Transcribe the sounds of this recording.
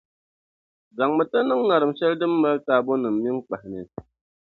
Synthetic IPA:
za˨ŋmɨ˨tɨ˦nɨ˦ŋːa˨ɾɨ˨mʃɛ˦ldɨ˦mː˦ə˦lta˦bo˦nɨ˨mmi˦ŋ˦k͡pa˨hnɨ˨

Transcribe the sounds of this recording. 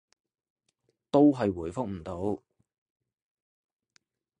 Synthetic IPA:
t̪o˥wɦɐ˨jwuː˨˩jfʊ˥k̚m̩˨˩t̪o˨˥w

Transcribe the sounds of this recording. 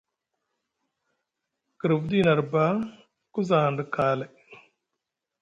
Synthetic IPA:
kə˨ɾɨ˨bd̪i˦nɐ˨ɾba˦ | ku˦zaːɳɖɨkaː˨le˨

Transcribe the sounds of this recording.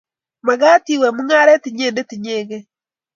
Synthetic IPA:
ma˨ɣaː˦ti˨wɛ˨mu˦ŋa˦ɾɛ˦ti˨ɲeː˦˨nde˦ti˨ɲeː˨ɣe˦

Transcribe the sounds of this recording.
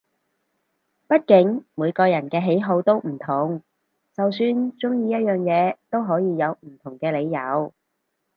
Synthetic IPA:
pɐ˥t̚kɪ˨˥ŋmuː˨˧jkɔː˧jɐ˨˩nkɛː˧ɦe˨˥jɦo˨˧˥wt̪o˥wm̩˨˩t̪ʰʊ˨˩ŋ | t͡sɐ˨wsyː˧nt͡sʊ˥ŋjiː˧jɐ˥t̚jœː˨ŋjɛː˨˧t̪o˥wɦɔː˨˥jiː˧jɐ˨˧wm̩˨˩t̪ʰʊ˨˩ŋkɛː˧le˨˧jjɐ̰˨˧˥w

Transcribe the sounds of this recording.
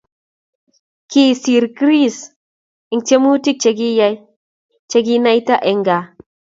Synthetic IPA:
ki˦˨si˨ɾkɾi˦s | i˨ŋte˦mu˦ti˦k̚t͡ʃe˨ɡi˦ja˦ | t͡ʃe˨˦ɡi˦na˦jta˦ʔe˨ŋɡa˨

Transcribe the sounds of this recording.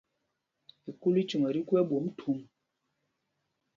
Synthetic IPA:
i˨ku˦li˦t͡ʃu˨ŋə˨ɾi˦kɛ˦ɓo˨˦m˦tʰu˨˦m

